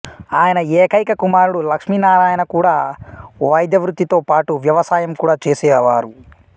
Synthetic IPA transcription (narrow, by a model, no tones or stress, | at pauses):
aːjɐnɐɛːkɐjkɐkumaːɾuɽulɐkʂmiːnaːɾaːjɐnɐkuːɽaːʋɐjd̪ʱjɐʋɾud̪ːit̪o̞ːpaːʈuʋjɐʋɐsaːjɐmkuːɽaːt͡ʃeːsɛːʋaːɾu